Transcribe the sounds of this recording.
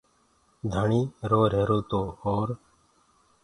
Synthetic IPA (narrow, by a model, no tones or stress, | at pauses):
d̪ʱəɳiːɾoːɾeːɾoːt̪oːoːɾ